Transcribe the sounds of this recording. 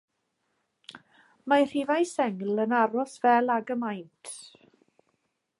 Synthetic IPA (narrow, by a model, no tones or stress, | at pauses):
majr̥ivajsɛŋl̩ənaɾɔsv̥ɛlˠaɡəmajntʰ